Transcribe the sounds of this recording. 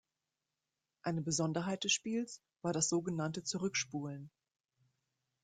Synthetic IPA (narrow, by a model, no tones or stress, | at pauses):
ʔaɪnəbəzɔndɐɦaɪt̚d̥ɛsʃpiːls | v̥aːɐɾasz̥oːɡənantət͡suʁʏkʃpuːlən